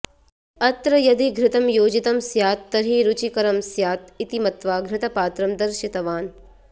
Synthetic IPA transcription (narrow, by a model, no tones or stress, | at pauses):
ɐt̪ɾɐjɐd̪ʱiɡʱɾɪt̪ɐmjoːd͡ʒit̪ɐmsjaːt̪ːɐɾɦiɾut͡ʃikɐɾɐmsjaːt̪it̪imɐt̪ʋaːɡɾɪt̪ɐpaːt̪ɾɐmd̪ɐɾʃit̪ɐʋaːn